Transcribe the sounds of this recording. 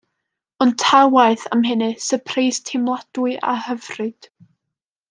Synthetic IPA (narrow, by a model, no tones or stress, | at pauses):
ɔntʰawaɨθamɦɨnɨsəpʰrejstʰɪmlˠad̥ʊɨʔa̰həvrɨd̥